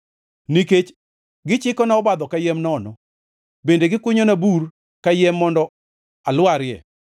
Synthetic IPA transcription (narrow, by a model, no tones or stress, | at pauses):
niket͡ʃ | ɡɪt͡ʃɪkɔnaɔbad̪ɔkajɛmnɔnɔ | bendeɡɪkʊɲonabur | kajɛmːɔndɔ | alwaɾjɛ̰